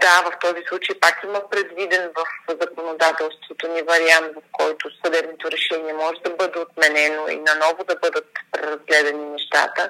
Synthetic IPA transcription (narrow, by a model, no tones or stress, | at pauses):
d̪avɐft̪ɔzislˠut͡ʃejpakimɐpɾɛd̪vid̪ɛnvɐfzɐkonod̪at̪ɛlˠst̪vot̪onivɐɾiant̪vɐfkɔjt̪osɐd̪ɛbnot̪oɾɛʃɛniɛmɔʒɛd̪ɐbɤd̪ɛot̪mɛnɛnoḭnɐnɔvod̪ɐbɤd̪ət̪pɾɛɾɐzɡlɛd̪ɛninɛʃt̪a̰t̪ə